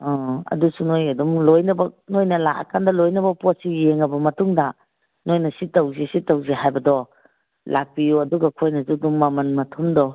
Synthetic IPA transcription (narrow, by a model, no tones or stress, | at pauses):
ɔɐ̰dusunojɐdumlojnɐbɐnojnɐlaʔɐ̰kʰandɐlojnɐbɐposijeŋːɐbɐmɐtuŋdɐ | nojnɐsitɐwzisitːɐwziɦajbɐdɔ | lak̚pijuɐduɡɐkʰojnɐzuduŋmɐmɐnmɐtʰumdɔ